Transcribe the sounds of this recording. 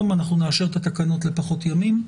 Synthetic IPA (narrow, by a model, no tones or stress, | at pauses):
manaχnuneaʃe̞ʁt̪at̪akano̞tle̞paχo̞t̪jamim